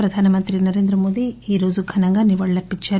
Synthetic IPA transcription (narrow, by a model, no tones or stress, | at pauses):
ɾɐd̪ʱaːnɐmɐnt̪ɾinɐɾeːnd̪ɾɐmoːd̪iiːɾoːd͡ʒuɡʰʱɐnɐŋɡɐniʋɐɭːɐpit͡ʃːɐ